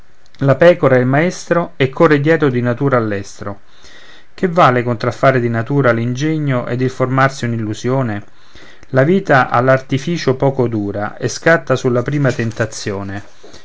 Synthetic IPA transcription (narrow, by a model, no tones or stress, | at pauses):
lapɛːkoɾaelmaɛst̪ɾoɛkʰːored̪jɛːɾod̪inat̪uːɾaːlːɛst̪ɾo | k̟evːaːlekont̪ɾafːaːɾed̪inat̪uːɾalind͡ʒɛɲːoʔḛd̪ilformarsiunilːuzjoːne | laviːt̪aʔa̰lːart̪ifiːt͡ʃopɔːkod̪uːɾa̰eskat̪ːasulːapɾiːmat̪ent̪at̪sːjoːne